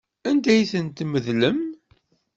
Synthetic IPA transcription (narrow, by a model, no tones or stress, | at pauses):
ænd̪æjθənt̪məðləm